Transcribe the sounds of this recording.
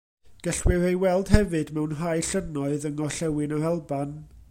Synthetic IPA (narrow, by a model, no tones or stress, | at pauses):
ɡ̥əɬwɪrejwɛlˠd̥hɛvɨdmɛwnɦajɬənɔɨðəŋɔɬɛwɨnaɾalˠban